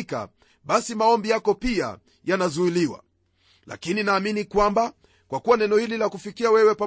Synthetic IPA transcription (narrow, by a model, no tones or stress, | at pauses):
ka̰ | ɓasimaɔmbijakɔpia̰ | janazuiliwa̰ | la̰kininaːminikwamba | kwakuwanɛnɔhililakufikiawɛwɛpa